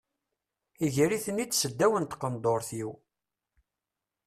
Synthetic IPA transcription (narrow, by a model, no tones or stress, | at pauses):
iʝəɾiθənit͡sːsəd̪ːæwənt̪qənd̪ˤoɾθiw